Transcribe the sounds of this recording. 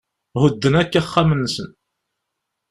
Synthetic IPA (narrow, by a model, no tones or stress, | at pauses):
ʁʊd̪ːənækːæχːamənːsən